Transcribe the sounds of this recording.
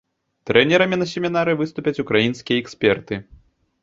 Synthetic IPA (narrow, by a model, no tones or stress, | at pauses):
t̪ɾɛnʲɛɾɐmʲinɐsʲɛmʲinaɾɨvɨst̪upʲɐt͡sʲukɾajinskʲijɐɛksʲpʲɛrt̪ɨ